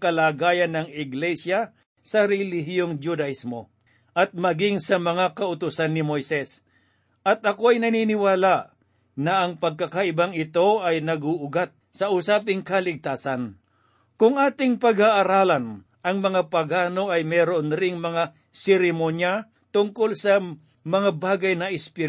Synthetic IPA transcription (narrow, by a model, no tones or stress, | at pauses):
kɐlaːɡaːjɐnːɐŋɪɡlɛsja | sɐɾɛliɦjoŋd͡ʒud̪ɐʔismo̞ | ʔɐt̪̚mɐɡɪŋsɐmɐŋakɐʊt̪ʊsanːɪmojsɛs | ʔɐt̪̚ɐkoɐjnɐniːnɪwaːlaʔ | nɐʔɐŋpɐɡ̚kɐkɐʔɪbaŋɪt̪o̞ɐjnɐɡʊʔʊɡat̪̚sɐʔʊsaːpɪŋkɐlɪɡ̚t̪aːsɐn | kʊŋʔaːt̪ɪŋpɐɡaʔaɾaːlɐn | ʔɐŋmɐŋapɐɡaːno̞ʔɐjmɛːɾonɾɪŋmɐŋa | sɛɾɪmonja | t̪ʊŋko̞lsɐ | mɐŋabaːɡɐjnɐʔɪspɪ